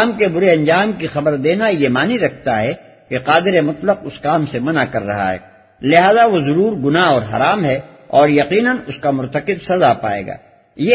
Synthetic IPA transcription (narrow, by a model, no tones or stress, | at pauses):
aːmkebʊɾeɐ̃nd͡ʒaːmkixɐbəɾd̪eːnajemaːniɾɐkʰt̪aɦɛ | keqaːd̪ɪɾemʊt̪ləqʊskaːmsemɐnakɐɾːɐ̰ɦa̰ɦɛ̰ː | lɪɦaːzaʋozɐɾuːɾɡʊnaɦɔːɾɦɐ̰ɾaːmɦɛ | ɔːɾjɐqiːnənʊskamʊɾt̪əqɪbsɐzapa̰ːḛːɡa̰ː | je